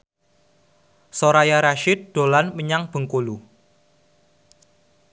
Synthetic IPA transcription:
soɾajaɾaʃɪt̪̚d̪̥o̤lanməɲaŋb̥ə̤ŋkolu

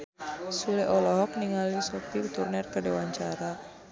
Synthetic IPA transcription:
sulɛʔɔlɔɦɔk̚niŋalisɔt̪iut̪urnɛrkəɖewaɲt͡ʃaɾa

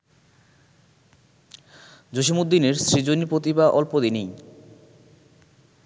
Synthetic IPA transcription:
d͡ʑoʃ̬imud̪ːineɾsɾid͡ʑonipɾot̪ibaʔɔlpod̪inij

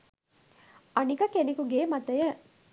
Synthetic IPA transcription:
ɐnikɐkenekuɡeːmɐt̪ɐjɐ

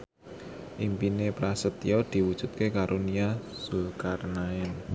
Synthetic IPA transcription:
ʔimpinepɾasət̪ḭɔd̪̥i̤wud̥ʒ̥ṳt̪̚kekaɾʔuniasulkarnaɛn

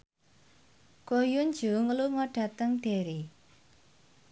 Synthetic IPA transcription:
kojʊn̥d͡ʒ̥uŋəluŋɔɖ̥ä̤t̪əŋɖ̪̥eɾi

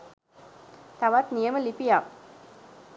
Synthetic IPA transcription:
t̪aʋat̪nijəməlipija

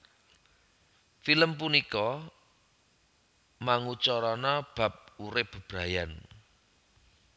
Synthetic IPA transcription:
filəmpunikɔ | maŋut͡ʃɔɾɔnɔb̥ä̤p̚uɾɪpb̥ɾajan

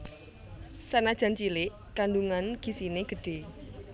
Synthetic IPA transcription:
sanad̥ʒ̥a̤nt͡ʃilɪʔ | kaɳɖuŋanɡ̥i̤sineɡ̥ə̤ɖ̥e̤

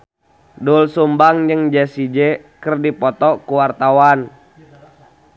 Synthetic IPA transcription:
dulsumbaŋd͡ʒəŋd͡ʒɛsid͡ʒɛ | kərdipɔt̪ɔkuwart̪awan

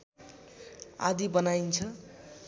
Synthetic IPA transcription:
a̰d̪ibʌnaint͡sʰʌ

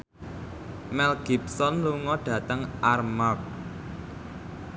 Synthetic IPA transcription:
mɛlɡ̥ipsɔnluŋɔɖ̥ä̤t̪əŋʔarmak̚

